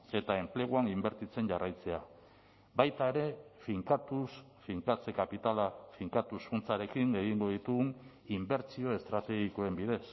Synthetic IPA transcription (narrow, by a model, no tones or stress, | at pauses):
e̞t̪ae̞mple̞ɣ̞uanimbe̞ɾt̪it͡se̞ɲʝarajt͡se̞a | bajt̪ae̞ɾe̞fiŋkat̪us | fiŋkat͡se̞kapit̪alafiŋkat̪usfunt͡saɾe̞kiŋe̞ɣ̞iŋɡo̞ð̞it̪uɣun | imbe̞ɾt͡sio̞e̞st̪ɾat̪e̞ɣiko̞e̞mbiðe̞s